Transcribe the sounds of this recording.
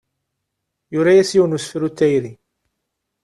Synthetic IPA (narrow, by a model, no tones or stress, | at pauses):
jʊɾajæsjuwnusfəɾut̪ːæjɾi